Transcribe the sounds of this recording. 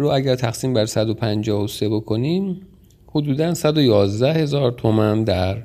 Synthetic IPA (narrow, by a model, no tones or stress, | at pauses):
ɾoæɟæɾt̪ʰæxsiːmbæɾsæd̪o̞pʰænd͡ʒɒːhose̞bo̞kʰo̞niːm | hod̪uːd̪ænsæd̪ojɒːzd̪æhe̞zɒːɾt̪ʰo̞mænd̪æɾ